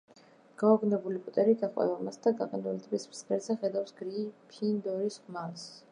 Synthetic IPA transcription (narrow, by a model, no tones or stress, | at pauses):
ɡ̥aɔɡnɛbulipʼut̪ʼɛɾiɡaχʼwɛ̰vamast̪ʰaɡaqʼɛnulit̪ʰʼbismsɾɛzɛχɛd̪afsɡɾipʰind̪ɔɾisχmals